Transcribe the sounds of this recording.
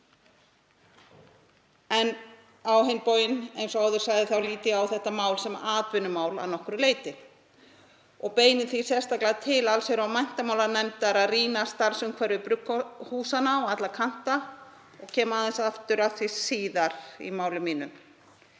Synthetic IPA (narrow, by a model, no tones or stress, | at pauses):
ɛn | awɦejnpoːwjɪnejnsɔaːwðʏɾ̥saɣðɪθawliːt̪ɪawθɛht̪amaːwlsɛmaːðvʏnʏmaːwla̰ðnɔhkʏɾʏleːjt̪ɪ | ɔɣpeːjnɪθisjɛ̥st̪aklat̪ʰɪlalsejɾawmajn̥t̪amaːwlanɛmt̪aɾaðriːnast̪aɾ̥sʏmkʰvɛɾvɪpɾʏkːɔhuːsanaɔɣat̪lakʰan̥t̪a | ɔɣcʰɛːmaːðɪnsaft̪ʏɾaðθvisiːðaɾ̥ḭmaːwlʏmiːnʏm